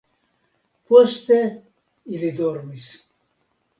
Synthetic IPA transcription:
post̪e | ilid̪oɾmis

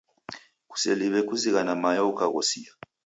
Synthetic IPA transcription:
k̬ʼu̥seliɓɛk̬ʼuzik̬anamajɔukʰʼako̰sija

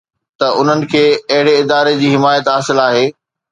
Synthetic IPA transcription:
t̪ɐʔʊn̤ənɪ̆kʰeːɐɦɪɽeɪd̪aːɾed͡ʑiːɦɪmaːjət̪ɦaːsɪlaːɦeː

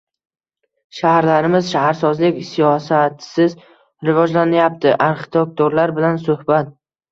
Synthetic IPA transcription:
ʃahɾlaɾɪmɪzʃahaɾsɒzlɪkʲsijɒsat̪ʰsɪz | ɾɪvɒd͡ʒlanɪjap̚t̪ʰɪʔaɾχɪ̥t̪ʰek̚t̪ʰoɾlaɾbɪlansʊhbat̪̚

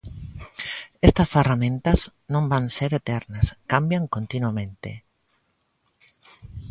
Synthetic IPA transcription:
est̪ɐsferamẽnt̪ɐznõmbaŋseɾet̪ɛɾnɐskambjaŋkont̪inuamẽnt̪ḛ

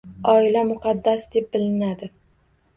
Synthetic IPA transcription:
ɒɪlamʊqʰɑd̪ːasd̪e̞p̚bɪlɪnad̪ɪ

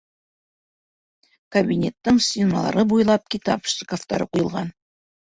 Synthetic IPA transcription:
kɐbʲinʲe̞t̪ːɘɴsʲinɑ̰lˠɑ̰ɾɤbujlˠɑp̚kʲit̪ɑpʃt̪ɪkoft̪ɑɾɤqujɤ̆lˠʁɑn

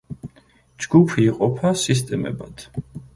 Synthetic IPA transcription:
d͡ʒɡupʰiːqʼɔpʰasist̪ʼɛmɛ̰bad̪̥ʰ

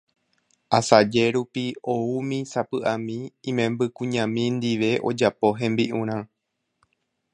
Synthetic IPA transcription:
asad͡ʒe̞ɾupio̞umĩsapɨʔamĩĩmẽ̞mbɨkũɲãmĩnd̪iʋe̞ʔo̞̰d͡ʒapo̞ɦẽ̞mbiʔũɾ̃ã

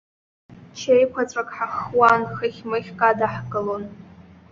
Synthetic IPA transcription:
t͡ʃʰejkʷʰat͡sʷʼakʼħaχwanχɨχʲmɨχʲkʼadaħkʼɨlon

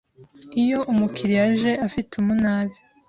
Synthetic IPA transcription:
ijo̞ʔumukʰiɾiaʒe̞ʔafitumunaːβi

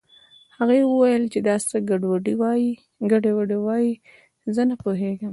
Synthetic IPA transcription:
haɣewəwajəlt͡ʃed̪ɑst̪aɡaɖwaɖiwɑji | ɡaɖewaɖewɑji | zənapoɦeɡəm

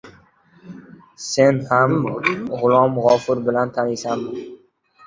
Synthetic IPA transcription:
se̞nhamʁʊlˠɒmʁɒfɪɾbɪlant̪ʰanɪsam

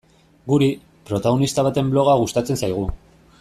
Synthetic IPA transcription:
ɡuɾi | pɾo̞t̪aɣ̞o̞nist̪aβat̪e̞mblo̞ɣaɣust̪at͡se̞nsajɣ̞u

